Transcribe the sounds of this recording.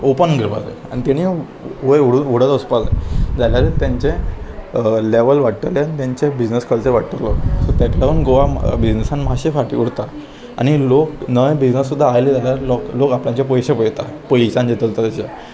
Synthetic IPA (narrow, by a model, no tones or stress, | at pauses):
opənɡəɾba̰tḛañit̪aɽ̃i | ojuɽuʋoɽət͡s̪ɔspad͡zḛd͡zaljaɾət̪jãɲt͡ɕe | leʋəlʋaʈʈəʋleanit̪jãɲt͡ɕebid͡ʑnəskəlt͡seʋaʈʈəlɔsɔt̪jat̪laʋəɳɡoʋabid͡ʑnəsãnmaɕefaʈḭuɽt̪a | a̰ɽ̃iloknəjbid͡ʑnəsːud̪ʱːaːjled͡zaljaloklokapljãt͡ɕap̬ɔjɕepəjt̪apojɕãnd͡ʑet̪əlt̪at̪at͡ɕe